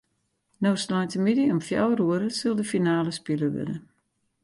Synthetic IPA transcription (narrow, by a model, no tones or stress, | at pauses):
nowsnɔjtəmidiɔmfja̰wruəɾəsɪlˠdəfinaːləspiləʋɪ̰də̰